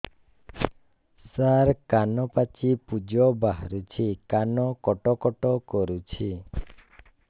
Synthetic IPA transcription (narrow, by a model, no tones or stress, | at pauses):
saɾkanɔpat͡ʃipud͡ʒɔbaɦɾut͡ʃʰikanɔkɔʈɔkɔʈɔkɔɾut͡ʃʰi